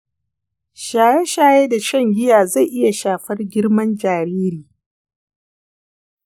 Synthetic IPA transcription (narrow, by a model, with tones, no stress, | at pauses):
ʃaː˨je˦ʃaː˦jeː˦da˨ʃɐ˦˨ŋɡʲɪ˦jaː˨za˦˨jʔɪ˦ja˨ʃaː˨ɸɐ˦rɡʲɪ˦ɽmɐ˦nd͡ʒaː˨ɾiː˦ɾiː˨